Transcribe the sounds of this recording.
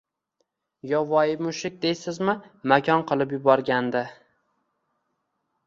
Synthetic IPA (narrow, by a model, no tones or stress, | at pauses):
jɒvɒjɪmʊʃɪk̚ʲd̪ejsɪzmɪmakʰʲɒnqʰɨlˠɪp̬jʊbɒɾɡʲand̪ɪ